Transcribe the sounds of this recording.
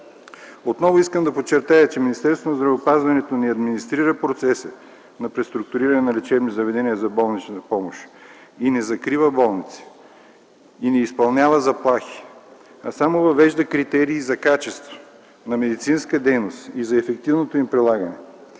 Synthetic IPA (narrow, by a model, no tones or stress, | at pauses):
ot̪nɔvoiskəmd̪ɐpot͡ʃːɛɾt̪ajɐt͡ʃɛminist̪ɛɾst̪vonɐzd̪ɾɐvɛopazvɐnɛt̪onɛɐd̪minist̪ɾiɾəpɾot̪sɛsə | nɐpɾɛst̪ɾʊk̚t̪ʊɾiɾɐnɛnɐlɛt͡ʃɛbnizɐvɛd̪ɛniəzɐbɔlˠnit͡ʃnt̪əpɔmoʃ | inɛzɐkɾivəbɔlˠnit̪si̥ | inɛispɐlˠnʲavəzɐplˠaxi̥ | ɐsamovɐvɛʒd̪ɐkɾit̪ɛɾiːzɐkat͡ʃɛst̪vo̥ | nɐmɛd̪it̪sinskəd̪ɛjnost̪izɐɛfɛk̚t̪ivnot̪oimpɾilˠaɡɐnɛ